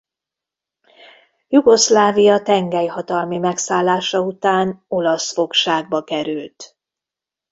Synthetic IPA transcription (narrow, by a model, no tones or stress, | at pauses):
juɡo̞slaːvijɒt̪ɛŋɡɛjhɒt̪ɒlmimɛksaːlːaːʃɒut̪aːno̞lɒsfo̞kʃaːɡ̚bɒkɛɾylt̪